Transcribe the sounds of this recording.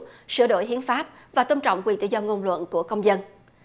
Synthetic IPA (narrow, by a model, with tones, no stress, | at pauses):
sɨ̰˧˩ɗo̰˧˨jɦḭ˨˦ənfaː˦˥p̚ | vaː˨˩t̪ə˧mt͡ɕɔ̰˧˨wŋ͡mkwi˨˩nt̪ɨ̰˧˨zɔ˧ŋo˧nlwə̰˧˨nku˧˩əkə˧wŋ͡mzə˧n